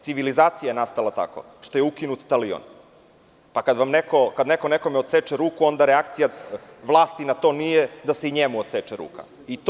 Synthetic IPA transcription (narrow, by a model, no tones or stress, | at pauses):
siʋilizaːt̪sijajenast̪alˠat̪a̰ko̰ | ʂt̪o̞je̞ukinut̪t̪alio̰n | pakad̪ʋamnekokad̪neko̞neko̞meot̪set͡ʃeɾuːkuo̞nd̪aɾeakt̪sijaʋlˠaːst̪inat̪o̞ːnijed̪ase̞iɲemuot̪set͡ʃeɾṵːka̰ | it̪